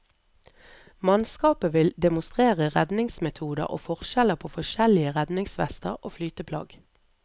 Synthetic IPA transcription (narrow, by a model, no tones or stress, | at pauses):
mɑnskɑːpəʋɪld̪ɛmʊst̪ʁeːʁəʁɛd̪nɪŋsmɛt̪ʰuːd̪ə̰ʁo̰ːfɔʁʃɛləpʰoːfɔʃɛlɪəʁɛd̪nɪŋsʋɛ̰st̪ə̰ʁʔoːflyːt̪əpʰlɑ̰ːɡ